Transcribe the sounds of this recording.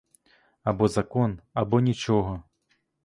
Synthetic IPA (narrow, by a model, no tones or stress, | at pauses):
abɔzakɔnabɔnʲit͡ʂɔɣɐ